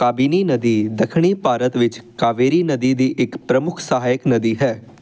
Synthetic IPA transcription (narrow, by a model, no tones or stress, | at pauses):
kaːbiːniːnəd̪iːd̪əkʰɽ̃iːpaːɾət̪ʋɪt͡ʃkaːʋeːɾiːnəd̪iːd̪iːʔɪkpɾəmʊkʰsəɦaːjəknəd̪iːɦɛː